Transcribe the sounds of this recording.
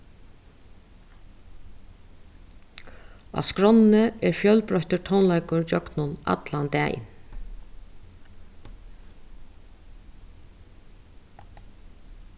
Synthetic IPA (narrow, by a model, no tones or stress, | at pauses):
a̰skɾɔnnəʔɛɹfjœlpɾɔçt̪əʈ̪ʰəwnlajkʊɹd͡ʒɔknʊna̰t̪land̪æ̰ːj̰n